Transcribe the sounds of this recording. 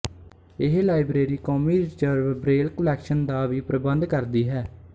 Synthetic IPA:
ɪɦlaːɪbɾeːɾiːkɔːmiːɾɪzəɾʋbɾeːlkəlɛːkʃənd̪aːʋiːpɾəbənd̪kəɾd̪iːɦɛː

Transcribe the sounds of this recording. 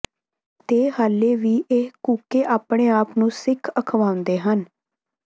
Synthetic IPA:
t̪eːhaːleːʋiːʔekuːkeːʔaːpɳ̃eːaːpnũːsɪkʰəkʰʋaːʊ̃nd̪eːɦən

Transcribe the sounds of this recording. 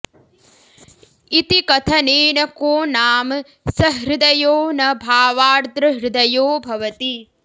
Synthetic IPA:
it̪ikɐt̪ʰɐneːnɐkoːnaːm | sɐɦɾɪd̪ɐjoːnɐbʱaːʋaːɾt̪ɾɐɦɾɪd̪ɐjoːbʱɐʋɐt̪i

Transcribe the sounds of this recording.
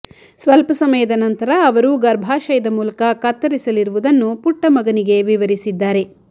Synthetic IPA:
sʋɐlpɐsɐmɐjɐd̪ɐnɐnt̪ɐɾɐːʋɐɾuɡɐɾbʱaːʃɐjɐd̪ɐmuːlɐkɐkɐt̪ːɐɾisɐliɾuʋud̪ɐnːupuʈːɐmɐɡɐniɡe̞ʋiʋɐɾisid̪ːaːɾe̞

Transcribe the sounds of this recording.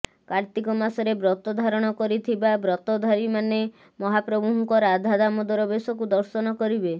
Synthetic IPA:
kaɾt̪ikɔmasɔɾebɾɔt̪ɔd̪ʱaɾɔɽ̃ɔkɔɾit̪ʰibabɾɔt̪ɔd̪ʱaɾimane | mɔɦapɾɔbuɦɔŋkɔɾad̪ʱad̪amɔd̪ɔɾɔbesɔkud̪ɔɾsɔnɔkɔɾibe

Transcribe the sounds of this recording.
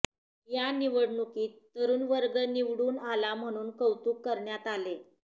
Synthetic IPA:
janiʋəɽɳukiːt̪ːəɾuːnʋəɾɡəniʋɽuːnalam̤əɽ̃uːnkəwt̪uːkːəɾɳjat̪ale

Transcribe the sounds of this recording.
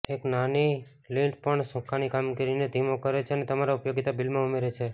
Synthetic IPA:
eknani | lĩɳʈpəɳsɔ̃kʰanikamɡiɾined̪ʱimokəɾet͡ʃʰeənet̪əmaɾaupjoɡit̪abilmãumeɾet͡ʃʰe

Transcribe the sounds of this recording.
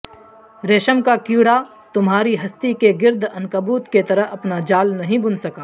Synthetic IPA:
ɾeːʃəmkakiːɽa | t̪ʊmɦaːɾiɦɐst̪ikeɡɪɾd̪ʱɐnkɐbuːt̪ket̪ɐɾəɦɐpnad͡ʒaːlnɐɦĩbʊnsɐkaː

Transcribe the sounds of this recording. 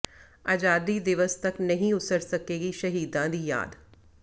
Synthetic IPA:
aːd͡ʒaːd̪iːd̪ɪʋəst̪əknəɦĩʊt̪əɾsəkeːɡiːʃəɦiːd̪ãːd̪iːja̰ːd̪

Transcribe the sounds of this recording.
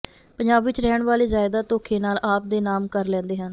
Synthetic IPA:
pəɲd͡ʒaːbʋɪt͡ʃɾɛːəɳʋaːleːzaːɪd̪aːt̪oːkʰeːnaːlʔaːp̚d̪eːnaːmkəɾlɛ̃ːnd̪eːɦən

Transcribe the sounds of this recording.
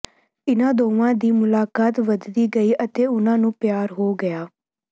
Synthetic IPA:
ɪnãːd̪oːʋãːd̪iːmʊlaːkaːt̪ʋəd̪d̪iːɡəiːʔət̪eːʊnãːnũːpɪjaːɾɦoːɡəjaː

